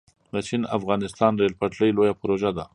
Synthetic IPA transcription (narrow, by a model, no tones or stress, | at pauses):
d̪ət͡ʃinafɣɑnɪst̪ɑnɾelpaʈləjlojapʊɾoʒad̪a